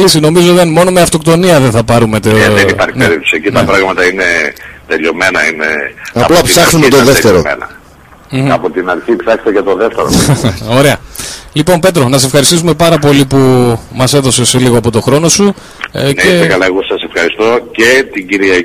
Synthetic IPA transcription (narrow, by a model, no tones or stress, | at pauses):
lisino̞mizot̪emo̞nomeɐft̪o̞kt̪o̞niɐðenθɐpɐɾume̞t̪eeenipɐɾneɾit̪o̥siecint̪ɐpɾɐɣmɐt̪ɐinet̪eʎo̞me̞nɐinḛɐɐplɐpsɐxnumet̪oðeft̪eɾomḛnɐ̰ | m̩ɐpot̪inɐɾçipsɐkst̪ecet̪o̞ðeft̪eɾoo̞ɾe̞ɐlipo̞mpe̞t̪̬ɾo̞nɐsefxɐɾist̪is̬ume̞pɐɾɐpo̞lipumɐseðo̞se̞seliɣoɐpo̞t̪o̞xɾo̞no̞su | neekɐlɐeɣosɐse̞fxɐɾist̪o̞cet̪iɟiɾiɐ